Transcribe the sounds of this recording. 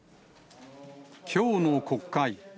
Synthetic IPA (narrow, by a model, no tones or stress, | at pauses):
kʲʰoːnokʰo̞kːai